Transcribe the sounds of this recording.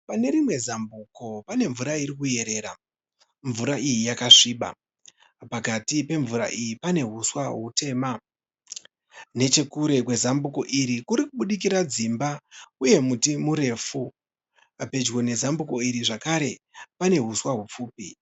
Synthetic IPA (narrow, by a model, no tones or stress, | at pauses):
pane̞ɾimwe̞zambuko̞pane̞ɱvuɾaiɾikuje̞ɾe̞ːɾa | ɱvuɾaʔijijakaʂiːɓa̰ | pakatipe̞ɱvuɾa̰ʔijipane̞ɦuswaɦute̞ːma | ne̞t͡ʃe̞kuɾe̞kwe̞zambuko̞ʔiɾikuɾikuɓuɗik̬iɾad͡zimbauje̞mutimuɾe̞fu | ape̞d͡ʒɣo̞ne̞zambuko̞iɾiʐakaɾe̞pane̞ɦuswaɦup͡fuːpi